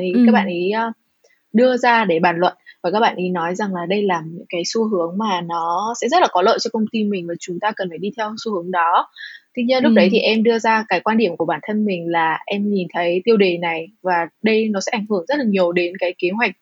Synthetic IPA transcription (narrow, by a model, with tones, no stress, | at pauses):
ʔi˨˦kaː˦˥k̚ɓa̰ː˧˨nʔiː˨˦˧ | ɗɨ˧əzaː˧ɗe˧˩ɓaː˧˩nlə̰˧˨nvaː˨˩kaː˦˥k̚ɓa̰ː˧nʔi˨˦nɔ˨˦jza˨˩ŋlaː˨˩ɗə˧jlaː˨˩mɲɨ̰˧˥ŋkaː˨˦jsu˧ɦɨ˨˦əŋmaː˨˩nɔ˨˦sɛ̰˧˥zə˦˥t̚laː˨˩kɔ˨˦lə̰ː˧˨jt͡ɕɔ˧kə˧wŋ͡mt̪i˧mï˨˩ŋ̟maː˨˩t͡ɕʊ˨˦ŋ͡mt̪aː˧kə˨˩nfaː˧˩ɗi˧t̪ʰɛ˧wsu˧hɨ˨˦əŋɗɔ˨˦t̪ʰi˧ɲi˧nlʊ˦˥ɗə˨˦jt̪ʰi˨˩ʔɛ˧mɗɨ˧əzaː˧kaː˨˦jkwaː˧nɗi˧˩əmku˧˩əɓaː˧˩nt̪ʰə˧nmï˨˩ŋ̟laː˨˩ʔɛ˧mɲi˨˩nt̪ʰə˨˦jt̪i˧əwɗe˨˩na˨˩jvaː˨˩ɗə˧jnɔ˨˦sɛ̰˧˥ʔa˧˩ŋ̟hɨ˧˩əŋzə˦˥t̚laː˨˩ɲi˨˩əwɗe˨˦nkaː˨˦jke˨˦ɦwa˨˩jk̚